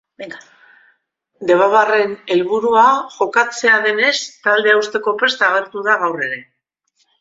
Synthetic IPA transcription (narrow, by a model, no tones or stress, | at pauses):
d̪e̞βaβare̞ne̞lβuɾuaʝo̞kat͡se̞aðe̞ne̞st̪ald̪e̞awst̪e̞ko̞pest̪aɣ̞e̞ɾt̪uðaɣ̞awre̞ɾe̞